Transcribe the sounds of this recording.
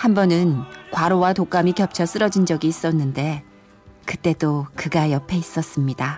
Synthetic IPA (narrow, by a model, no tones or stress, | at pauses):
hambʌnɯnkwaɾowatok͈amikjʌp̚t͡ɕʰʌs͈ɯɾʌd͡ʑind͡ʑʌɡiːs͈ʌnːɯnde̞ | kɯt͈e̞dokɯɡajʌpʰe̞is͈ʌs͈ɯmɲida